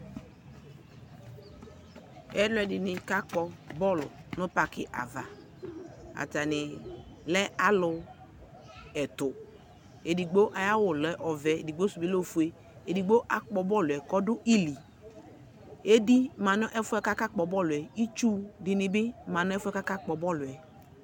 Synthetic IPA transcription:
ɛ˦dlɛ˨dɪ˨nɪ˨ka˦k͡pɔ˧bɔ˦lʊ̰˨nʊ˦pa˨kɪ̰˨ʔa̰˨va̰˨ | a̰˨ta˨nɪ˨lɛ˦a˦lʊ˧ | ɛ˨tʊ˨ | e˨di˨ɡ͡bo˦ʔa˨ja˦wʊ˨lɛ˦ʔɔ˨vɛ˨e˨di˨ɡ͡bo˦su˨bi˦lo˦˨fu˨e˦ | e˨di˨ɡ͡bo˦ʔa˦k͡pɔ˨bɔ˦lʊ˨ɛ˨kɔ˦dʊ˦ʔi˦li˨ | e˦di˦ma˨nʊ˦ʔɛ˦fʊ˦ɛ˨˦ka˦ka˦k͡pɔ˨bɔ˦lʊ˨ɛ˨i˦t͡ʃu˦dɪ˨nɪ˨bɪ˦ma˨nʊ˦ɛ˦fɛ˦ka˦ka˦k͡pɔ˨bɔ˦lʊ˨ɛ˨

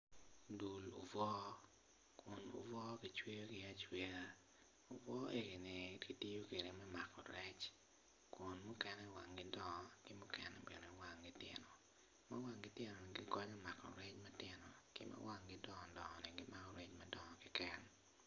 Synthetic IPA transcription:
du˨lṵ˨vɔ˦ | kʊ˨nṵ˨vɔ˦ki˨t͡ʃwe˦o˦ɡɪ˦a˦t͡ʃwe˦a˦ | ʊ˨vɔ˦ʔe˦ɡe˨ni˨ɡi˦ti˦o˦ke˨ɾe˨mɛ˦ma˨kɔ˨ɾɛ˦t͡ʃ | kʊ˨nmʊ˦kɛ˦nɛ˦wa˨ŋɡɪ˦dɔ˨ŋɔ˦kɪ˦mʊ˦kɛ˦nɛbɛ̰˨no˨wa˨ŋɡɪ˦tɪ̰˦nɔ˨ | ma˦wa˦ŋɡɪ˦te˦nɔ˨ni˨ɡɪ˦kɔ˦ɲɔ˦ma˨kɔ̰˨ɾɛ˦t͡ʃma˦tɪ˦nɔ˨kɪ̰˦mʔa̰˦wa˦ŋɡɪ˦dɔ˦ŋɔ˨dɔ˨ŋɔ˨nɪ˨ɡɪ˦ma˦kɔ˦˨ɾɛ˦t͡ʃma˦dɔ˨ŋɔ˨kɪ˦kɛ˦n

